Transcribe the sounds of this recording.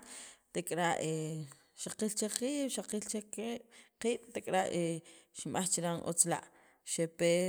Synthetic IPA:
t̪ekʼɾaʔe | ʃaqilt͡ʃeqiːɓ̥ʃaqilt͡ʃeqiːɓ̥qiːɓ̥t̪ekʼɾaʔeʃimɓaχt͡ʃiɾanʔo̰t͡sla̰ʔ | ʃepe

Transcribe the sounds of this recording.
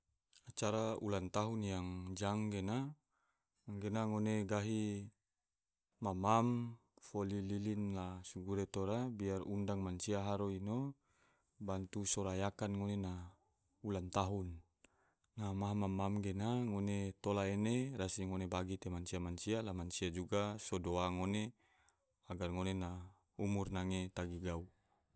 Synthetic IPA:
at͡ʃaɾaulant̪aɦunjaŋd͡ʒaŋɡena | ɡenaŋoneɡaɦi | mamam | folililinlasuɡuɾet̪oɾabiarundaŋmansiaɦaɾoino | bant̪usɔɾajakanŋonena | ulant̪aɦunː | amaɦamamamɡenaŋonet̪olaeneɾasiŋonebaɡit̪emansiamant͡ʃialamansiad͡ʒuɡasodoaŋone | aɡarŋonena | umurnaŋet̪aɡiɡau

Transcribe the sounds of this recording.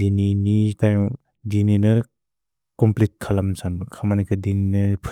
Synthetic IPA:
dininitajm | dininɯ | kɔmplit̚kʰalamsanbɯkʰamanikʰɯdininɯpʰu

